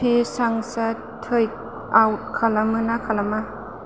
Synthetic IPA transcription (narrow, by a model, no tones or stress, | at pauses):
isaŋsa | t̪ʰːɯj | ʔawt̚kʰalamɯnakʰalama